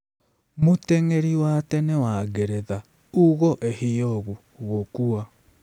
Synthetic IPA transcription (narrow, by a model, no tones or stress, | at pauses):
moteŋeɾiwatɛnewaɣeɾeða | uɣɔʔehijoːɣu | ɣokuwa